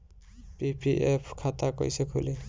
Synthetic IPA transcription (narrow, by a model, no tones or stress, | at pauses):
pipiʔepʰkʰat̪ako̰jsekʰṵle